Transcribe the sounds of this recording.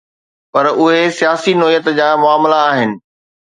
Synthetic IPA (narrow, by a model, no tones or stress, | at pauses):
pɐɾʊɦesijaːsinɔːijət̪d͡ʑaːmʊaːmlaːɦɪnɪ̆